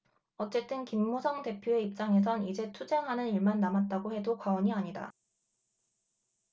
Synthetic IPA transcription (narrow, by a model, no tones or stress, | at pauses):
ʌt͡ɕ͈e̞t͈ɯnkimːosʰʌŋte̞pʰjoe̞ip̚t͡ɕ͈aŋe̞s̬ʰʌnid͡ʑe̞tʰud͡ʑe̞ŋɦanɯniɭmanːamat̚t͈aɡohe̞dokwawʌɲiaɲida̰